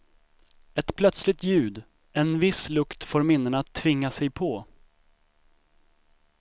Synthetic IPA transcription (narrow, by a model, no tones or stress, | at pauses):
ɛt̪pʰlœt̪slɪt̪jʉ̟ːd̪ | ɛnvɪslɵkt̪foːɾmɪnːəɳaːt̪ʰːvɪŋːasɛjpʰɔ